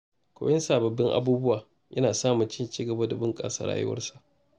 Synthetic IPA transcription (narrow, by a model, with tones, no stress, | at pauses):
kʷo̰ː˦jɪ˦nsaː˨bɐ˨bːɪ˦ŋʔa̰˦buː˦bʊ˦waː˨ | jɐ̰˦naː˨saː˦mʊ˨nt͡ʃɪ˦nt͡ʃiː˦ɡɐ˨ba˦da˨bʊ˦ŋkʼa̰ː˦sa̰ː˨ɾa̰ː˦jʊ̰˦wɐ̰˦rsa˨ʔ